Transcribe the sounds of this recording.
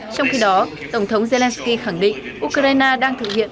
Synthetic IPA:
t͡ɕɔ˧wŋ͡mxi˧ɗɔ˨˦ | t̪ə˧˩wŋ͡mt̪ʰə˨˦wŋ͡mze˧lɛ˧nski˧xa˧˩ŋɗḭ̈˧˨ŋ̟ʔu˧kzaː˧jnaː˧ɗaː˧ŋt̪ʰɨ̰˧˨˩hḭ˧˨ən

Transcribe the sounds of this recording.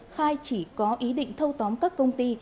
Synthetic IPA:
xaː˧jt͡ɕi˧˩kɔ˨˦ʔi˨˦ɗḭ˧˨ŋ̟t̪ʰə˧wt̪ɔ˨˦mkaː˦˥kːə˧wŋ͡mt̪i˧

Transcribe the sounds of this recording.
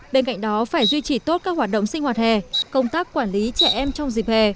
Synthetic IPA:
ɓe˧nka̰˧˨jŋ̟ɗɔ˨˦faː˧˩jzwi˧t͡ɕi˧˩t̪o˦˥t̚kaː˦˥k̚hwaː˨˩t̚ɗə̰˧˨wŋ͡msï̟˧waː˨˩t̚hɛ˨˩kə˧wŋ͡mt̪aː˦˥kːwaː˧˩nli˨˦t͡ɕɛ˧˩ʔɛ˧mt͡ɕɔ˧wŋ͡mzi˨˩p̚he˨˩

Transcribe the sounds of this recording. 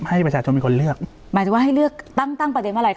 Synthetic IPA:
ha˥˩jpɾt͡ɕʰaː˧t͡ɕʰo˧nmiː˧kʰo˧nlɯ˥˩ək̚ | maː˨˩t͡ɕa˨˩waː˥˩ɦa˥˩jlɯ˥˩ək̚t̪a˥˩ŋt̪a˥˩ŋpɾde˧nma˥˩a˧˩

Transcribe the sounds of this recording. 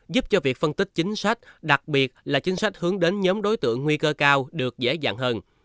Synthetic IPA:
zu˦˥p̚t͡ɕɔ˧vi˨˩ək̚fə˧nt̪ï˦˥k̚t͡ɕï˨˦ŋ̟sa˦˥jk̟̚ɗa˨˩k̚ɓi˨˩ət̚laː˨˩t͡ɕï˨˦ŋ̟sa˦˥jk̟̚hɨ˨˦əŋɗe˨˦nɲɔː˨˦mɗo˨˦jt̪ɨ̰˧˨əŋːwi˧kəː˧kaː˧wɗɨ˨˩ək̚zḛ˧˥za̰ː˧˨ŋhəː˧n

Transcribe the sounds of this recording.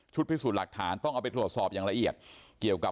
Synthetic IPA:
t͡ɕʰu˦˥t̪̚pʰi˦˥˩suː˨˩t̪la˨˩k̚t̪ʰaː˩˦nt̪ɔ˥˩ŋʔaː˧˩pa˧jt̪ɾu˨˩ət̪̚sɔː˨˩p̚jaː˨˩ŋla˧ʔi˨˩ət̪̚ki˨˩əwka˨˩

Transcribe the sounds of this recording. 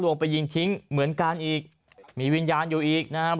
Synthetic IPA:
lu˧əŋpa˧jːi˧ŋt̪ʰi˦˥ŋmɯ˨˩˦ənkaː˧nʔiː˨˩k̚ | miː˧˩wi˧njaː˧njuː˨˩ʔiː˨˩k̚na˦˥kʰa˦˥

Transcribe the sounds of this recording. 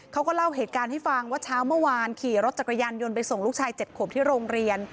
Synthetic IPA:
kʰa˦˥wkɔː˥˩la˥˩wɦeː˨˩t̪̚kaː˧nha˥˩jfa˧ŋwaː˥˩t͡ɕʰaː˦˥wmɯ˥˩əwaː˧nkʰiː˨˩ɾo˦˥t̪̚t͡ɕa˨˩ka˧jaː˧njo˧npa˧jso˨˩ŋluː˦˥k̚t͡ɕʰaː˧jt͡ɕe˨˩t̪̚kʰuː˨˩mt̪ʰiː˥˩ɾoː˧ŋɾi˧ən

